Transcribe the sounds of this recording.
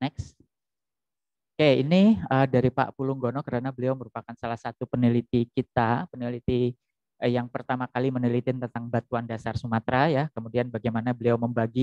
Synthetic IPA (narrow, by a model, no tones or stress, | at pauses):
nɛks | keiniədaɾipa̰ʔpuluŋɡonɔkəɾanabəliawməɾupakansalahsat̪upənilit̪ikit̪apənilit̪i | jaŋpərt̪amakalimənilit̪iɪnt̪ənt̪aŋbat̪uandasarsumat̪ɾajakəmudianbaɡajmanabəliawməmbaɡi